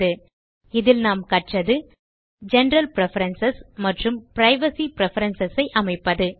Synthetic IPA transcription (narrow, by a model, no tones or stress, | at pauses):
ɯ | ɪðɪlnaːmkɐʈrɐðɯ | d͡ʒɛnɾɐlpɾɛfɐɾɐnsɐsmɐʈrɯmpɪɾɐɪʋɐsipɪɾɛfɐɾɐnsɐsɐɪʔɐmɐɪpːɐðɯ